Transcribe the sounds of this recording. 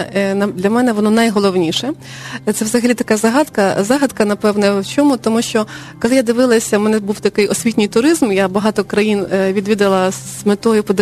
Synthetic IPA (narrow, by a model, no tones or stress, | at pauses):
nɐd̪lʲɐmɛnɛʋɔnɔnɐjɦɔlˠɔwnʲiʃɛ | t̪sɛwzɐɦɐlʲit̪ɐkɑzɐɦɑd̪kɐzɑɦɐd̪kɐnɐpɛwnɛwt͡ʃɔmʊt̪ɔmuʃt͡ʃɔ | kɔlˠɪjad̪ɪʋɪlˠɐsʲɐmɛnɛbuwt̪ɐkɪjɔsʲʋʲitʲnʲɪjt̪ʊɾɪzmjabɐɦɑt̪ɔkɾɐjinʋʲid̪ʲʋʲid̪ɐlˠɐsmet̪ɔjʊpɔd̪